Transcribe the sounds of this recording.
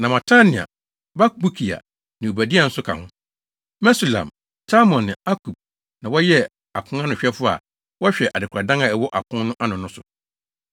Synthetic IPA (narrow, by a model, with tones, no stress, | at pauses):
nã˨mã˨tʰa˦nɪ̃˨a̰˨ | ba˦kbu˦kʰi˨a̰˨ | nɪ̃˨o˨bæ˨di˦a˨n̩˦sʊ˦kʰã̰˨hʊ̃˦ | mɛ˦su˨lã̰˨m | sʰa˦mɔ̃˨nːɪ̃˨a˦kʰu˨b̥̚ | nã˨wɔ˦jɛ˦ | a˨kʰʊ̃˦ã˦nʊ̃˨ɕᶣɛ˦fʊ˦a̰˨ | wɔ˦ɕᶣɛ˨ʔa˨dɪ˨kʰa˨dã˦ŋa˨ɛ˨wɔ˦ʔa˨kʰʊ̃˦n˦nʊ̃˦ʔa˦nʊ̃˨nʊ̃˦sʊ̰˨